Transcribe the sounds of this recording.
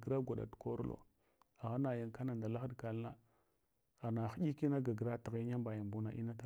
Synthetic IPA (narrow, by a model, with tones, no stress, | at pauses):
ɡɾa˦ɡʷa˨ɗa̰˨tko˦ɾlo̰˨ | a˨ɣa˦na˨ja˨ŋka˦na˨nda˨la˦xa˦dka˨la˦ | a˨na˨xɟi˦ki˦na˦ɡa˨ɡɾa˦ti˨ɣɲa˦mba˨ja˨mbu˦na˨ʔḭ˦na˦ta˦˨